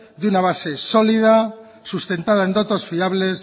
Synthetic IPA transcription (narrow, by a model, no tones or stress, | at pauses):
d̪unaβ̞ase̞so̞lið̞a | sust̪e̞nt̪að̞ae̞nd̪ot̪osfiaβle̞s